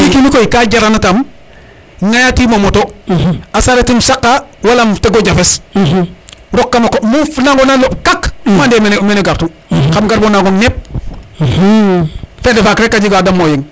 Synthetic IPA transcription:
ikinikojikaɟaɾanatam | ŋajatimomoto | asaɾatimsakːawalamteɡoɟafes | ɾokːamakomufnaŋɡonalop̚kakmandemenmeneɡaɾtu | kamɡaɾbonaɡoŋnep̚ | fedefakɾekːaɟiɡadamːojiŋ

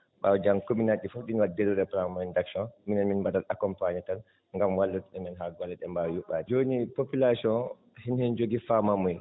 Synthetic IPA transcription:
ɓawd͡ʒankuminaɗifuɗinwadiɾuɾɛpɾamandaksɔnminɛnminbadalakɔmpaɲatal | ŋɡamwalːutuɗɛmɛnɦaɡalɛɗɛmbawjuɓaːdid͡ʒonipopilasɔn | hinhɛnd͡ʒoɡifamamɔj

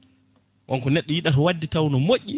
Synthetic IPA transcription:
ʔaŋkɔnɛɗːɔjiɗatɔwadːitawnɔmoʔʲːi

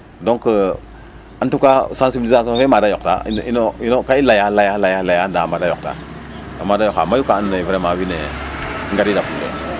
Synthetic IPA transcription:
dõŋk | antukasãnsibilizas̬õvemadajokta̰ḭninoinokailajalajalajalajandamadajok̚ta̰ | amadajoka̰majukaanevɾemawinḛŋɡaɾidafudḛ

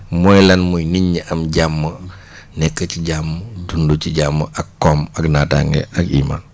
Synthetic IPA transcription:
mɔjlɐnmujniɲːəʔɐmɟamːə | nɛkːəciɟamːədunduciɟamːəʔɐkːɔmɐknaːta̰ŋɡɛ̰ʔɐkḭːma̰ːn

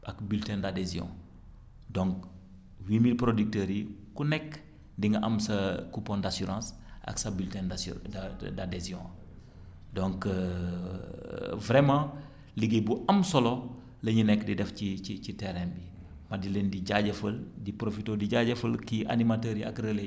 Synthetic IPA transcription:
ʔɐkbyltɛndadezjɔ̰̃ | dɔ̃ŋk̚ | wiːmilpɾodyk̚təːɾikunɛkː | diŋɡɐʔɐmsɐkupɔ̃ndasyɾɑ̃ːs | ʔɐ̰ksɐbiltɛn | dadɛzjɔ̰̃ | dɔ̃ŋk | vɾɛmɑ̃ː | liɡebuɐmsɔlɔ | lɐɲunɛkːdidɛfciicitɛɾɛmbi | mɐdilendiɟaɟɐfəldipɾofitɔdiɟaɟɐfəlkiʔa̰nimatəːɾiɐ̰krɛle

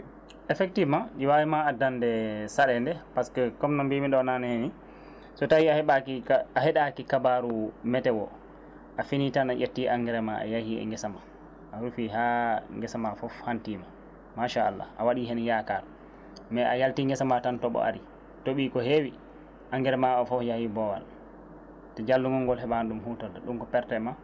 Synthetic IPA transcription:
ɛfɛk̚tivmanɗiwawimaadandɛsaɗɛndɛpaskɛkɔmnambimiɗɔnanɛheni | sɔtawiaaaɦɛɗakikabaɾumɛtɛwɔ | ʔafinitanaʔetːiʔaŋɡɛɾɛmaʔa̰jahiɛ̰ŋɡɛsama | ʔaɾufiɦaŋɡɛsamafɔfhantima | maʃaːlːa̰ʔawaɗiɦɛnjakal | mɛʔajaltiŋɡɛsamatantɔɓɔ̰ʔa̰ɾi | toɓiːkɔhewi | ʔaŋɡɛɾɛmaɔfɔfjahibɔwa̰l | tɛd͡ʒalːuŋɔŋɡɔlɦɛɓanɗumɦutɔdɛɗunkɔpɛɾtɛma

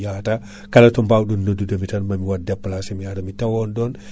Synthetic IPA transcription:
jata | kalatɔmbawɗɔnːodːudamitanmamiwadːɛpːalasɛmiadamitawɔndɔn

